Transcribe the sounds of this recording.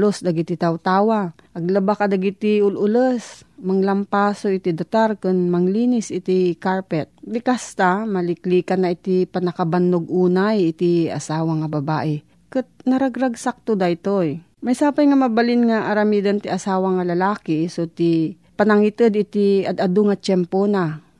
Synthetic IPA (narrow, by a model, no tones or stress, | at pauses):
losd̪aɡit̪ɪt̪awt̪aːwa | ʔɐɡ̚lɐbakad̪aɡit̪ɪʊlʔʊlosmaŋlɐmpaːsoʔɪt̪id̪at̪aɾkʊnmɐŋliːnɪsʔɪt̪ikaɹpɛt̪̚lɪkast̪amɐlɪkliːkanːaʔɪt̪ipɐnɐkaband̪oɡ̚ʔuːnajɪt̪iɐ̰saːwaŋɐbɐbaːʔɪ | kɨt̪̚nɐɾaɡɾaɡsak̚t̪od̪aɪt̪oj | majsaːpajŋamɐbalɪnŋaʔaɾɐmid̪ant̪iasaːwaŋɐlɐlaːkisot̪i | pɐnaŋit̪ɨd̪ɪt̪iɐd̪ad̪ʊŋat͡ʃɛmpona